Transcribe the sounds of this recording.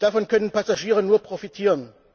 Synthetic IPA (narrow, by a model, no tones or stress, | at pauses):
d̥afɔnkʰœnənpʰasaʒiːʁənuːɐpʁofitʰiːʁən